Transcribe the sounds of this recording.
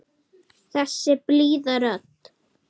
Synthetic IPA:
θɛsɛb̥liːðəɾət̪

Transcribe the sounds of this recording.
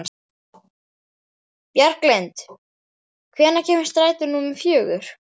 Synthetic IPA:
n | pjaɾ̥klɛnt̪ | kʰvɛːnːacʰɛːmɪst̪ɾaːjt̪ʏɾnumɪfjœːɣʏɾ̥

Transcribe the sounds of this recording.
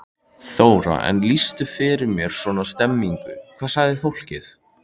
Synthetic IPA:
θoːwɾa̰ɛ̰nlist̪ʏfɪɾɪɾmjɛɾ̥swɔːnast̪ɛmːiŋkʏkʰvaːðsaɣðɪfowl̥cɪθ

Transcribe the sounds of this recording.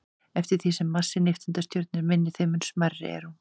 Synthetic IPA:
ɛft̪ɪɾ̥θisɛmːasːɪnɪft̪ʏnt̪ast̪jœɾt̪nɪɾmɪnːɪθejmʏnsmarːɪ̰ɛ̰ɾ̥hu

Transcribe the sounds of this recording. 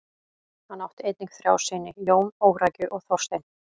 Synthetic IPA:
hanːawht̪ɪejt̪niŋkθɾja̰ːwsɪnːɪjoːwmoːwɾaːjcʏʔɔɣθɔrst̪ejn

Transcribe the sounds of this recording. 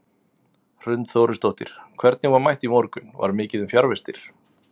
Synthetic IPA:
r̥ʏnt̪θowɾʏst̪owt̪ɪ̰ɾ̥kʰv̥ɛɾt̪̚nɪɣvaɾmajht̪imowɾkʏnva̰ɾmɪːcɪðʏmfjaɾvɪst̪ɪɾ̥

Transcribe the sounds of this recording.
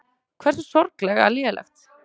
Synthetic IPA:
kʰvɛɾ̥sʏsɔɾklɛɣa̰liðlʔɛ̰xt̪

